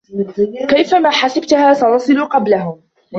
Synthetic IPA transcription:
kajfamaːħasab̚t̪haːsanɑsˤɨluqɑblaɦʊm

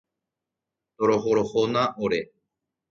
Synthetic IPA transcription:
t̪oɾoɦoɾohonaʔoɾe

